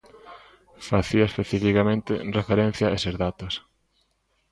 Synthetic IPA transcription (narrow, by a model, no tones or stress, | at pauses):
faθiaespeθifikamẽnt̪ɪrefeɾẽn̟θjaesezðat̪os